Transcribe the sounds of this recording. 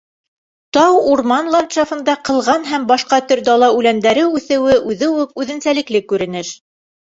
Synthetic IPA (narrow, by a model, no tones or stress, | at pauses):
t̪ɑwuɾmɑnlˠɑnt̪ʃɑfɤ̆nd̪ɑqɤ̆lˠʁɑnɦæmbɑʃqɑt̪ɵɾd̪ɑlˠɑʉlænd̪æɾɘʉθɘ̆wɘʔʉðɘwʉp̚ʉðɘ̆nsælɘ̆klɘkːʉɾɘ̆nɘʃ